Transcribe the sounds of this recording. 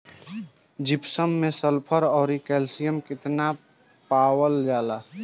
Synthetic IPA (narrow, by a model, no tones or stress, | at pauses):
d͡ʒɪpsəmːẽsəlpʰəɾɔːɾikɛːlsijəmkɪt̪na | paːwəld͡ʒaːla